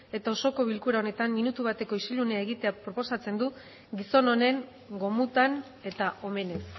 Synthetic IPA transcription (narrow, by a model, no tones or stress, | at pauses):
e̞t̪ao̞so̞ko̞βilkuɾao̞ne̞t̪amːinut̪uβ̞at̪e̞ko̞isiluneae̞ɣit̪e̞apɾo̞po̞sat͡se̞nd̪u | ɡiso̞no̞ne̞ŋ | ɡo̞mut̪an | e̞t̪aʔo̞me̞ne̞s